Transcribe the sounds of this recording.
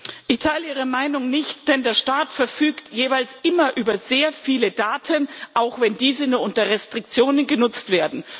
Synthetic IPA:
ʔɪçtʰaɪləʔiːʁ̞əmaɪnʊŋnɪçtd̥ɛndeːɐʃtaːtfɛɐfyːktjeːvaɪlsʔɪmɐʔyːbɐzeːɐfiːlədaːtʰənʔaʊxv̥ɛndiːzənuːɐʔʊntɐʁɛstʁ̥ɪk̚t͡sjoːnənɡənʊt͡stv̥eːɐdn̩

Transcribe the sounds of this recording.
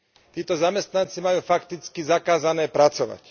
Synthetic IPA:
t̪iːt̪ɔzamɛst̪nant͡simajuːfakt̪it͡skizakaːzanɛːpɾat͡sɔʋa̰c

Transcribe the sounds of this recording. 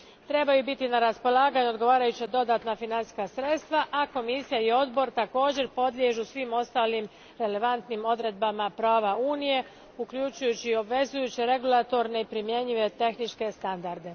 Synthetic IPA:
t̪ɾe̞bajubit̪inaɾaspo̞lˠaːɡaɲuo̞d̪ɡo̞ʋaːɾajut͡ɕad̪o̞d̪aːt̪nafinansi̥skasɾe̞t̪st̪ʋaʔako̞misijaio̞d̪bo̞ɾt̪ako̞ːd͡ʑe̞ɾpo̞d̪lʲje̞ʒusʋimo̞st̪aːlim | ɾe̞le̞ʋant̪nimo̞d̪ɾe̞d̪̚bamapɾaːʋauːnije̞ | ukʎut͡ʃujut͡ɕio̞bʋe̞zujut͡ɕiɾe̞ɡulˠat̪o̞ɾne̞ipɾimje̞ɲiʋe̞t̪e̞xnit͡ʃke̞st̪and̪aɾd̪e̞

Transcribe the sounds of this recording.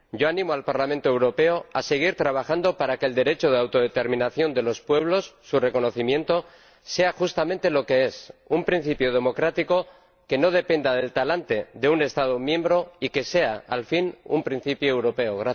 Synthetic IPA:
ɟ͡ʝo̞anĩmoalpaɾlamẽnt̪oewɾo̞pe̞oase̞ɣ̞iɾt̪ɾaβ̞axand̪o̞paɾake̞ːld̪e̞ɾe̞t͡ʃoð̞eawt̪o̞ð̞e̞t̪e̞ɾmĩnaθjo̞nd̪e̞lo̞spwe̞β̞lo̞sːure̞ko̞no̞θimjẽ̞nt̪o̞ | se̞axust̪amẽnt̪e̞lo̞ke̞e̞sumpɾin̟θipjoð̞e̞mo̞kɾat̪iko̞ | ke̞no̞ð̞e̞pe̞nd̪að̞e̞lt̪alant̪e̞ðe̞une̞st̪að̞omjẽ̞mbɾo̞ike̞se̞aalfinṵmpɾin̟θipjoewɾo̞pe̞oɣɾa

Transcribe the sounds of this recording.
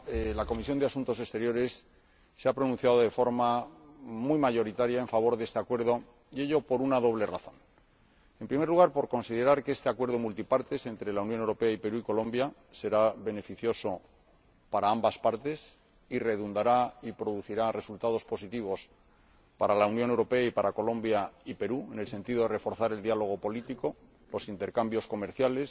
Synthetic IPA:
elako̞misjond̪easunt̪o̞s̬e̞st̪e̞ɾjo̞ɾe̞sː | eapɾo̞nũn̟θjaðoðe̞fo̞ɾma | mujmaʝo̞ɾit̪aɾjae̞ɱfaβ̞o̞ɾðe̞st̪eakwe̞ɾð̞o̞ | je̞ʝo̞po̞ɾunaðo̞β̞le̞ra̰θo̞̰n | e̞mpɾime̞ɾluɣaɾpo̞ɾko̞nsiðe̞ɾaɾkeest̪eakwe̞ɾð̞o̞mult̪ipaɾt̪e̞se̞nt̪ɾe̞launjonewɾo̞pe̞aipe̞ɾuiko̞lõ̞mbja | se̞ɾaβe̞ne̞fiθjo̞so̞ | paɾaambaspaɾt̪e̞s | ire̞ðund̪aɾaipɾo̞ðuθiɾare̞sult̪að̞o̞spo̞sit̪iβ̞o̞s | paɾalaunjone̞wɾo̞pe̞aipaɾako̞lõ̞mbjaipe̞ɾue̞ne̞lse̞nt̪iðo̞ðere̞fo̞ɾθaɾe̞ld̪jalo̞ɣ̞o̞po̞lit̪iko̞ | lo̞sint̪e̞ɾkambjo̞sko̞me̞ɾθjale̞s

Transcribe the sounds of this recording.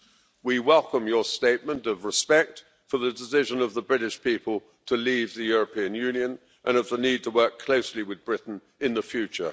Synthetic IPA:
wiwɛlˠkə̃mjə˞steɪt̚mə̃ntʌvɹɪspɛk̚t | fə˞ðədɪsɪʒə̃nʌvðəbɹɪɾɪʃpʰipəlˠ | tʰəlivðɨjʊɹəpʰĩɨ̃njʉ̃njə̃n | ʔə̃nʌvðənid̚tʰəwɜˑ˞kʰl̥oʊsliwɨðbɹɪʔn̩ | ɨ̃nðəfjʉt͡ʃə̰˞

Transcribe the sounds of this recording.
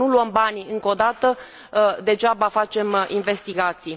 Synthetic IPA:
uluəmbanʲɨŋko̞d̪at̪ə | d̪e̞ʒabafat͡ʃe̞minve̞st̪iɡat̪si

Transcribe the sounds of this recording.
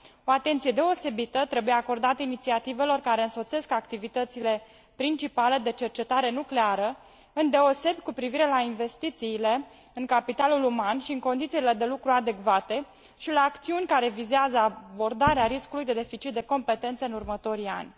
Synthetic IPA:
o̞at̪e̞nt̪sije̞d̪e̞o̞se̞bit̪ət̪ɾe̞buje̞ako̞rd̪at̪əinit̪siat̪ive̞lo̞rkaɾeɨnso̞t̪se̞skakt̪ivit̪ət̪sile̞ | pɾint͡ʃipale̞d̪e̞t͡ʃe̞rt͡ʃe̞t̪aɾe̞nukle̞aɾə | ɨnd̪e̞o̞se̞bjʲkupɾiviɾe̞lainve̞st̪it̪siːle̞ | ɨŋkapit̪alulumanʃiɨŋko̞nd̪it̪siile̞d̪e̞lukɾuad̪e̞kvat̪e̞ | ʃilaːkt̪siunʲkaɾe̞vizeazəabo̞rd̪aɾeaɾiskulujd̪e̞d̪e̞fit͡ʃit̪̚d̪e̞ko̞mpe̞t̪e̞nt̪səɨnurmət̪o̞ɾia̰nʲ

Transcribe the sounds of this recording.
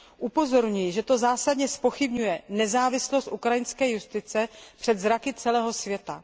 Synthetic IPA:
ʔupo̞zo̞ɾɲujʒɛt̪o̞zaːsadɲɛspo̞xɪbɲujɛnɛzaːvɪslost̪ʔukɾajɪnskɛːjust̪ɪt͡sɛpr̥ɛd̪zɾakɪt͡sɛlɛːɦo̞svjɛt̪a̰

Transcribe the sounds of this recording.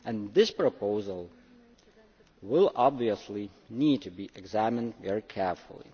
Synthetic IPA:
ʔɨ̃nðɪspɹ̥əpʰoʊzəl̩ˠ | wɪlˠɑbviəsli | nid̚tʰɨbiʔɨɡzæmɨ̃ndvɛɹikʰɛɹfəl̩ˠḭ

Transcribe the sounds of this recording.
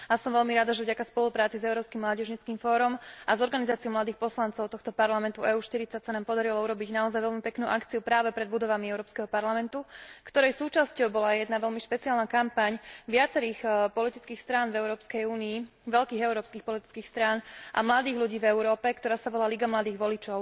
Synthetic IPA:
asɔmʋɛʎmiɾad̪aʒɛvɟakaspɔlupɾaːt͡sizɛʊɾɔːpskimlaːɟɛʒɲit͡skiːmfɔːɾɔmʔazɔɾɡanizaːt͡siɔmlad̪iːxpɔslant͡sɔʊt̪ɔxt̪ɔpaɾlamɛnt̪uʔɛːuːʃt̪iɾit͡sacsanaːmpɔd̪aɾilɔuɾɔbiɟnaɔzajʋɛʎmipɛknuːʔakt͡siupɾaːʋɛpɾɛd̪bud̪ɔʋamiɛʊɾɔːpskɛɦɔpaɾlamɛnt̪ukt̪ɔɾɛjsuːt͡ʃascɔʊbɔlajɛd̪naʋɛʎmiʃpɛt͡siaːlnakampaɲʋɪat͡sɛɾiːxpɔlit̪it͡skiːxst̪ɾaːnvɛʊɾɔːpskɛjuːnii | ʋɛʎkiːɣɛʊɾɔːpskiːxpɔlit̪i̥t͡skiːxst̪ɾaːnʔa̰mlad̪iːɣʎuɟiːvɛʊɾɔːpɛkt̪ɔɾaːsaʋɔlaliɡamlad̪iːɣʋɔlit͡ʃɔʊ

